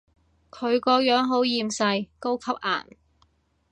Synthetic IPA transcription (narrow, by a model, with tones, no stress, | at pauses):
kʰɵ˨˧ɥkɔː˧jœː˨˥ŋɦo˨˥wjiː˧msɐ˧jko˥wkʰɐ˥p̚ʔa̰ː˨˩n